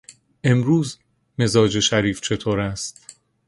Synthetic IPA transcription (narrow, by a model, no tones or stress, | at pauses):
ʔe̞mɾuːz | me̞zɒːd͡ʒe̞ʃæɾiːft͡ʃʰe̞t̪ʰoːɾæst̪